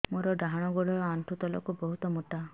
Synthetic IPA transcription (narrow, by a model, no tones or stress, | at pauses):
moɾɔɖaɦaɽ̃ɔɡɔɭɔɾɔaɳʈʰut̪ɔlɔ̰kubɔɦut̪ɔmuʈa